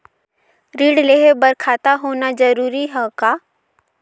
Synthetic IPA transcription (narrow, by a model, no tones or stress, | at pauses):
ɾiːɽleɦebəɾkʰaːt̪aɦoːnad͡ʒəɾuːɾiɦɛkaː